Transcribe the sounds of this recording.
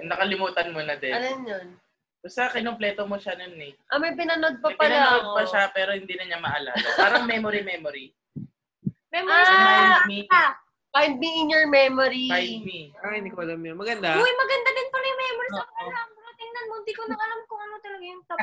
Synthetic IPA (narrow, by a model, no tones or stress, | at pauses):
nɐkɐlɪmuːt̪ɐnmonɐd̪ɛɐlɐmjon | ʊsɐkɪnomplɛːt̪omoʃanonɛʔɐmɐjp̬ɪnɐno̞d̪̚pɐpɐlaɐdopɐʃapɛːɾo̞hɪnd̪inɐɲamɐʔaːla̰aːɾɐŋmɛmoɾimɛmoɾi | mɛmoɾimia | kajd̪̚miʔɪɲjoɹmɛmoɾiajmiɪnikɐlɐmjonmɐɡɐnd̪awojmɐɡɐnd̪ad̪ɪnpɐlɐjʊŋmɛːmoɾisɐamɐkɐt̪ɪŋnɐnmoɪnd̪ikonɐkɐlɐmkʊŋɐnot̪ɐlɐɡajʊŋt̪ɐ